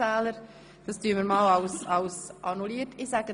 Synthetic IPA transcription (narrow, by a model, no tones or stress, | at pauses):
æːləɾ | d̥ɑstyəməɾmɑːlɑwsɑʊsʔɑnuliːətɪsæɡə